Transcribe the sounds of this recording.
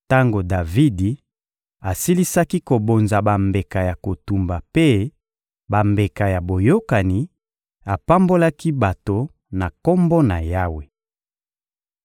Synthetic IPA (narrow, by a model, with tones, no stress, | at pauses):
ta˦ŋɡo˨da˨vi˦di˨ | a˨si˦li˦sa˦ki˦ko˨bo˨nza˨ba˨mbe˨ka˨ja˨ko˨tu˨mba˨pe˦ | ba˨mbe˨ka˨ja˨bo˨jo˦ka˨ni˨ | a˨pa˦mbo˦la˦ki˦ba˨to˨ | na˨ko˦mbo˦na˨ja˦we˨